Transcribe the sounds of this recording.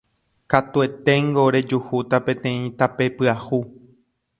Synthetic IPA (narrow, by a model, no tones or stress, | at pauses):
kat̪ue̞t̪e̞ŋɡo̞ɾe̞d͡ʒuhut̪apẽ̞t̪ẽ̞ĩt̪ape̞pɨahu